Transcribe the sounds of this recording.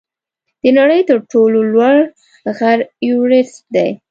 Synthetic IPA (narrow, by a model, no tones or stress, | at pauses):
d̪̥ənaɽəjt̪əɾʈololwaɽ | ɣaɾjuɾɪst̚d̪aj